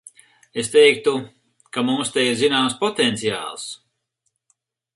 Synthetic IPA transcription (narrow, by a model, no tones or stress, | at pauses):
est̪ɛjk̚t̪u | kamumst̪ɛjiɾzinaːmspɔt̪ɛnt̪sija̰ːlˠs